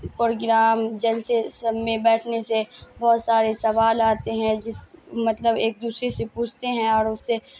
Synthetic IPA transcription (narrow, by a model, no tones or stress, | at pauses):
pɾoːɡɾaːmd͡ʒɐlsesmẽbɛːʈʰnesebɔːt̪saːɾesɐʋaːlaːt̪eɦɛ̃d͡ʒɪsmɐt̪ləbeːk̚d̪uːsɾesepuːt͡ʃʰt̪eɦɛ̃ɔːɾʊsːe